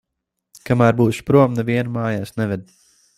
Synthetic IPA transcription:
kamæːɾbuːʃpɾuɔmnɛviɛnmaːjaːsnɛvʲɛd̪

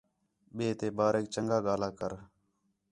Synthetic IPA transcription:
ɓeːt̪eːbaːɾeːk̚t͡ʃəŋɡaːɡaːlaːkəɾ

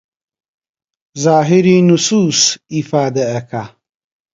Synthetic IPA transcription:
zaːɦiɾinusuːsifaːd̪ɐːkʰa

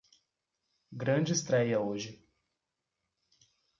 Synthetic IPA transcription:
ɡɾɐ̃d͡ʒɪist̪ɾɛjɐoʒɪ

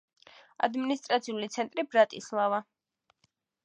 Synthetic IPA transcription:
a̰d̪minist̪ʼɾat̪sʰiulit̪sʰɛnt̪ʼɾibɾat̪ʼislˠava

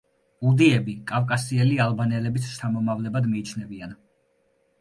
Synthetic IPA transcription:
ud̪iɛbikʼavkʼasiɛlialˠbanɛlɛbist͡ʃʰamɔmavlɛbad̪miːt͡ʃʰnɛbian

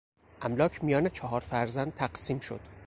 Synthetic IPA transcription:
ʔæmlɒːcʰmijɒːne̞t͡ʃʰɒɦɒːɾfæɾzænd̪̚t̪ʰæɢsiːmʃo̰d̪̥

